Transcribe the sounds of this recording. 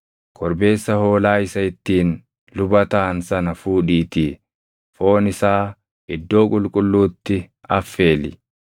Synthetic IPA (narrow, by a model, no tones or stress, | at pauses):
kʰɔɾbe̞ːsːɐho̞ːlaːɪsɐɪt̪ːiːn | lʊbɐt̪aːnsɐnɐfuːᶑiːt̪iː | fo̞ːnɪsaː | ɪd̪ːo̞ːkʼʊlkʼʊlːuːt̪ːɪ | ɐfːe̞ːlɪ̰